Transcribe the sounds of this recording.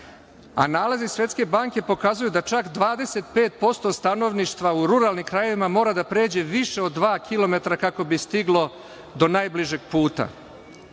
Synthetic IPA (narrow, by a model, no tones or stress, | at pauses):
a̰naːlezisʋje̞t̪ske̞baːŋke̞po̞kazujud̪at͡ʃakd̪ʋaːd̪e̞se̞t̪̚pe̞ːt̪̚po̞st̪o̞st̪ano̞ʋniʃt̪ʋauɾuɾalnimkɾaje̞ʋimamo̞ːɾad̪apɾe̞ːd͡ʑe̞ʋiʃe̞o̞d̪ːʋaːkʰilˠo̞me̞t̪ɾakako̞bist̪iɡlˠo̞ | d̪o̞najbliʒe̞ɡ̚puːt̪a̰